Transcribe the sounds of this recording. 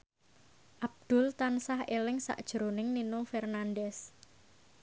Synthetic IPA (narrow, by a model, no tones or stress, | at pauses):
ʔab̚d̪̥ʊ̤lt̪ansahelɪŋsa̰ʔd̥ʒ̥əɾonɪŋninofɛrnandɛs